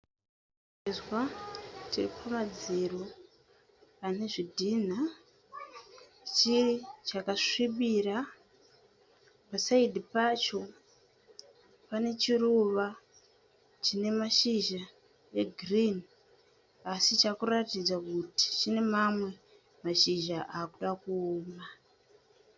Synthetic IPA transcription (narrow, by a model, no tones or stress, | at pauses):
izwatiripʰamad͡ziro | ane̞ʐidʱiːn̤a | t͡ʃirit͡ʃakaʂiɓiɾa | pasaidʱipaːt͡ʃo̞ | pane̞t͡ʃiruʋa | t͡ʃine̞maʃiʒa | eɡʱrini | asit͡ʃakuratid͡zakuti̥t͡ʃine̞mamwe̞ | maʃiʒaʔaːkuɗakuoːma